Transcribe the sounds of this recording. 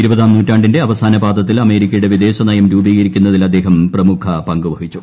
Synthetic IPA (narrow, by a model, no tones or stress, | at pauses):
iɾubɐðaːmnuːtːaːɳɖinde̞ɐʋɐsaːnɐbaːd̪ɐt̪ːilɐme̞ːɾikʲːɐjuɽe̞ʋid̪e̞ːɕɐnɐjɐmɾuːbiɣɐɾikʲːunːɐðilɐd̪ːe̞ːɦɐmprɐmukʰɐpɐŋɡuʋɐɦit͡ɕːu̥